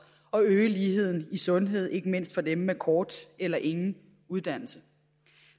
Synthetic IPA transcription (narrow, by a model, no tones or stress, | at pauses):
ɒ̽øːəliːɦe̝ð̰ˠn̩isɔ̽nɦe̝ð̞̰ˠe̝ɡ̥əme̝n̰sd̥fɒ̽d̥emːekʰɒːd̥elɐʔe̝ŋn̩ | uð̞ˠd̥æn̰l̩sə